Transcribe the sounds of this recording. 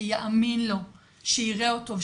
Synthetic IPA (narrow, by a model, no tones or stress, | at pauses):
jaʔaminlo̞ | ʃeiʁeotov